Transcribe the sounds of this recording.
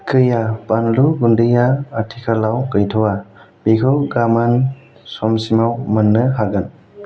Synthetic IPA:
kɯjapanluɡundɯjaːtʰikʰalawkɯjtʰɔwa | b̥ikʰɯwɡaman | sɔmsimawmanːɯɦaɡan

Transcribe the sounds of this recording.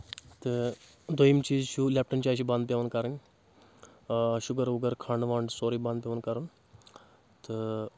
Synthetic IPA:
t̪ɨ | d̪ojimt͡ʃiːzʃulʲɛːp̚ʈɐnt͡ʃaːʃ̬ibãːnd̪̚pjeʋɐnkaɾɐn | ʃuɡəɾuɡəɾkʰaːɳʋaːɳɖsoːɾibãnd̪pʲjeʋɐnkaɾɐn | t̪ɨ

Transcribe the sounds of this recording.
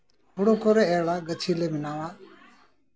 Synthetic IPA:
hoɽoːkoːɾeɛːɭaːɡət͡ʃʰiːleːmɪnaːʋaː

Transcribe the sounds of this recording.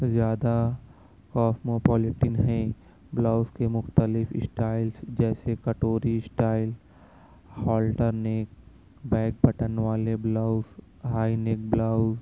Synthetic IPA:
zjaːd̪a | kɔːsmopɔːlɪʈɪnɦɛ̃ | blaːʊskemʊxt̪əlɪfɪsʈaːɪlsd͡ʒɛːsekɐʈoːɾisʈaːɪl | hɔːlʈəɾneːk̚ | bɛ̃ːk̚bɐʈənʋaːleblaːʊz | ɦaːineːk̚blaːʊz

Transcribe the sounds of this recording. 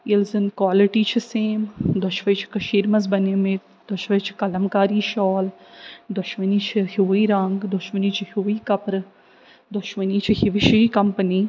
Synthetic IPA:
ilzɨnkwaːliʈiːt͡ʃʰiseːmd̪ʊʃʋɐjt͡ʃʰi̥kɐʃiːɾmɐzbɐneːmɪt̪ | d̪ʊʃʋɐt͡ʃʰi̥kɐlɐmkaːɾiːʃɔːld̪ʊʃmɐniːt͡ʃʰihiʋiːɾɐŋɡd̪ʊʃmɐniːt͡ʃʰihiʋiːkɐpɾ | d̪ʊʃmɐniːt͡ʃʰihiʋiʃiːkɐmpəniː

